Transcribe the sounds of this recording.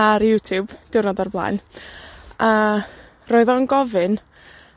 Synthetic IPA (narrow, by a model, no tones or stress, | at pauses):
aɾjutʰub̥d̥ɪwrnɔdarblˠa̰jn | ʔə | roːɨðɔnɡɔvɨn